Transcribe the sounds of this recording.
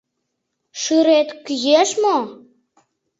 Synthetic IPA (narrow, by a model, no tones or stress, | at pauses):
ʃyɾet̪kyjeʃmo